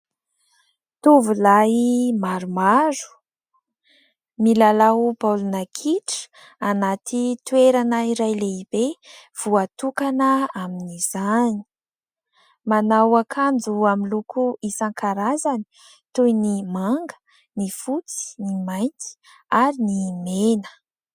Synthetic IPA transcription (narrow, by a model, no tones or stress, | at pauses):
t̪uvulaimaɾumaɾu̥ | milalaupalunakʰiʈ͡ʂə̥ | anat̪ʰit̪weɾanəiɾajleibev̥uat̪ukanəaminiz̥ani̥ | manawakʰand͡zuaminlukʰuisaŋkʰaɾazani̥ | t̪ujnimaŋɡə̥ | nifut͡si̥nimajnt̪i̥ | aɾinimenə̥